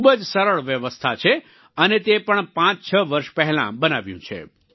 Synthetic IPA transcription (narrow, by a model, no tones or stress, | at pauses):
ubəd͡ʒsəɾəɭʋjəʋəst̪ʰat͡ʃʰe | ənet̪epəɳpãt͡ʃt͡ʃʰəʋəɾʃpɛɦɛlã̰bənaʋjṵ̃t͡ʃʰḛ